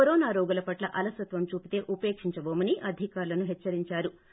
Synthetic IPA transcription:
ɔɾɔːnaːɾɔːɡɐlɐpɐʈlɐʔɐlɐsɐt̪ʋɐmt͡ʃuːpit̪e̞ːʔupe̞ːkʂiɲt͡ʃɐboːmɐniʔɐd̪ʱikaːɾulɐnuɦɛt͡ʃːɐɾiɲt͡ʃaːɾu

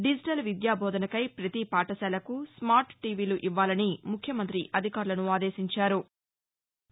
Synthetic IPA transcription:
ɖid͡ʒiʈɐlʋid̪jaːbʱɔːd̪ɐnɐkɐjpɾɐt̪ipaːʈɐsɛːlɐkusmaːɾʈʈiːʋiːluʔiʋːaːlɐnimukʰːjɐmɐnt̪ɾiʔɐd̪ʱikaːɾulɐnuaːd̪eːʃiɲt͡ʃaːɾu

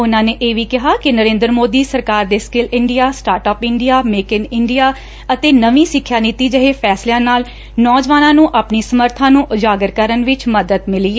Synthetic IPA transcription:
ʊnãːneːʔeːʋiːkɪɦaːkɪnəɾẽːnd̪ɾmoːd̪iːsəɾkaːɾd̪eːskɪlɪɳɖijaːsʈaːɾʈɔːpɪɳɖijaːmeːkɪnɪɳɖijaː | ət̪eːnəʋĩːsɪkʰːjaːnit̪iːd͡ʒəɦeːpʰɛːslːãːnaːl | nɔːd͡ʒʋaːnãːnũːʔaːpniːsəməɾt̪ʰãːnũːʔʊd͡ʒaːɡəɾkəɾənʋɪt͡ʃməd̪əd̪mɪliːɛː

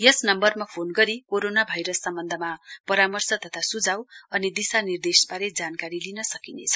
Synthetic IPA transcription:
jʌsnʌmbʌrmapʰonɡʌɾikoɾonabʱajɾʌsːʌmbʌnd̪ʱʌmapʌɾamʌrsʌt̪ʌt̪ʰasud͡zawʌnid̪isanird̪esbaɾed͡zankaɾilinʌsʌkinḛt͡sʰʌ̥

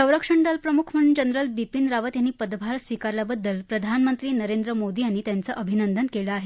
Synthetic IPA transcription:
sə̃w̃ɾəkʂəɳɖalpɾəmukʰm̤əɽund͡ʑənɾəlbipinɾaʋət̪janːiːpəd̪bʱaɾsʋikaɾlabəd̪ːəlpɾəd̪ʱanmənt̪ɾiːnəɾend̪ɾəmod̪iːañiːt̪jant͡səʔəbʱinənd̪ʱənkeləaɦe

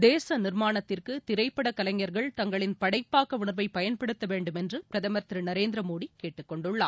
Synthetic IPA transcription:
d̪eːsɐnɪɾmaːnɐt̪ːɪrkɯt̪ɪɾɐɪpːɐɽɐkɐlɐŋjɐɾɣɐɭt̪ɐŋɡɐɭɪnpɐɽɐɪpːaːkɐʋʊɳɐɾʋɐɪpɐjɐnpɐɽɯt̪ːɐʋeːɳɖɯmɛndrɯpɪɾɐðɐmɐɾt̪ɾɯnɐɾeːnd̪ɾɐmoːɽikeːʈːɯkːɔɳɖɯɭːa̰ː

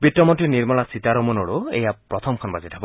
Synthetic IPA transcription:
bitːɔmɔntɹiniɹmɔlasitaɾɔmɔnɔɹuḛjapɹɔt̪ʰɔmkʰɔnbazitʰabɔ

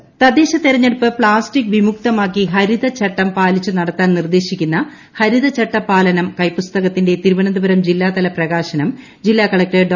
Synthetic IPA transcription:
t̪ɐd̪eːɕɐt̪ːeɾɐɲːeɽupːɨpɭaːstikːʋimuk̚t̪ɐmaːkːiɦɐɾiðɐt͡ɕɐʈːɐmpaːlit͡ɕːunɐɽɐt̪ːaːnnird̪e̞ːɕikʲːunːɐ | hɐɾiðɐt͡ɕɐʈːɐpːaːlɐnɐmkɐjpust̪ɐɣɐt̪ːinde̞t̪iɾuʋɐnɐnd̪ubɐɾɐmd͡ʑilːaːt̪ɐlɐprɐɣaːɕɐnɐm | d͡ʑilːaːkɐɭɐk̚ʈeːɖɖ

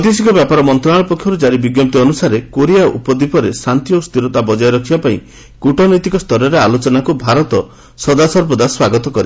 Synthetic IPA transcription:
d̪isikɔbjapaɾɔmɔnt̪ɾɔaɭɔpɔkʰjɔɾud͡ʒaɾibiɡjɔp̚t̪iɔnusaɾekoɾijaʔṵpɔd̪ipʰɔɾesant̪ijost̪iɾɔt̪abɔd͡ʒajɾɔkʰibapaĩ | kuʈɔnɔjt̪ikɔst̪ʰɔɾɔɾealot͡ʃɔnakubʱaɾɔt̪ɔ | sɔd̪asɔɾpɔd̪aswaɡɔt̪ɔkɔɾe

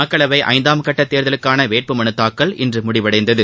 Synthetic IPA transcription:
ɐːkːɐɭɐʋɐɪʔɐ̰ɪnd̪aːmkɐʈːɐt̪ːeːɾðɐlɯkːaːnɐʋeːʈ̚pɯmɐnɯt̪ːaːkːɐɭɪndrɯmʊɽɪʋɐɽɐɪnd̪ɐðɯ

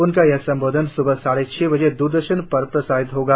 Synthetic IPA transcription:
ʊnkajɛɦsɐ̃mboːd̪ʱənsʊbʱəsaːɽet͡ʃʰɛːbɐd͡ʒed̪uːɾd̪əɾʃənpɐɾpɾɐsaːɦɪt̪ɦoːɡaː

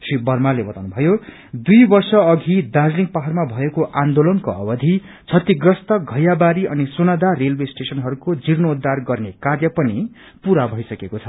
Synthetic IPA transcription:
sibʌrmalebʌt̪awnubʱʌjo | d̪ujbʌrsʌʌɡʱid̪ad͡zliŋɡ̚paɦarmabʱʌekoʔãnd̪olʌnkoʌ̰bʌd̪ʱi | t͡sʰʌt̪iɡrʌst̪ʌɡʱʌjabaɾiʌnisonʌd̪arelbesʈesʌnɦʌɾukod͡zirnoud̪ːarɡʌrnekarjʌpʌni | puɾabʱʌjsʌkekot͡sʰʌ

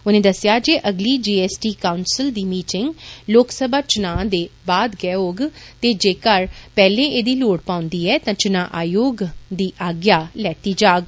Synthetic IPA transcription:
ʊnẽːd̪əsjaːd͡ʒeːʔəɡliːd͡ʒiːɛːsʈiːkaːʊnsɪld̪iːmiːʈɪŋɡloːksəbaːt͡ʃʊnãːd̪eːbaːd̪ɡɛːoːɡt̪eːd͡ʒeːkəɾpɛːlẽːʔeːd̪iːloːɽpãːʊnd̪iːɛːt̪ãːt͡ʃʊnãːʔaːjoːɡd̪iːʔaːɡjaːlɛːt̪iːd͡ʒaːɡ

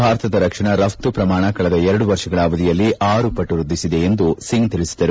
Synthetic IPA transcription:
bʱaːɾɐt̪ɐd̪ɐɾɐkʂɐɳɐɾɐft̪upɾɐmaːɳɐkɐɭɐd̪ɐɛɾɐɽuʋɐɾʂɐɡɐɭaːʋɐd̪ijɐlːiʔaːɾupɐʈːuɾud̪ːisid̪e̞end̪usiŋɡt̪iɭisi̥d̪ɐɾu

